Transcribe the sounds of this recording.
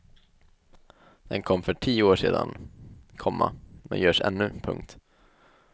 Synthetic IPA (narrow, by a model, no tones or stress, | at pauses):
d̪̥ɛnkʰɔmːfœʈʰiːʊoːʂeːd̪ankʰɔmːamɛnjœːʂɛnːɵpʰɵ̰ŋk̚t̪